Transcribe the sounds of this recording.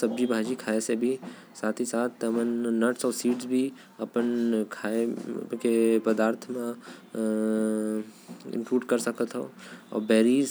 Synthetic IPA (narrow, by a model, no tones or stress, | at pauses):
sɐb̚d͡ʒibʱaːd͡ʒikʰaːesebʱi | saːt̪ʰisaːt̪̚ʰt̪ɐmənːəʈsɔːɾsiːʈsbʱi | ɐpənkʰaːekepəd̪aːɾt̪ʰmã | ɪ̰̃mkɾuːɖkɐɾsəkət̪ɦoɔ̰ːɾbɛːɾiːz